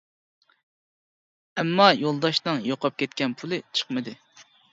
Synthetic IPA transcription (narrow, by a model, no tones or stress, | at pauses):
ɛmːɑjolˠd̪ɑʃnɨŋjoqʰɑp̚kʲʰɛt̪̚kʲɛnpʰulˠɨt͡ʃʰə̥χmɨd̪ɨ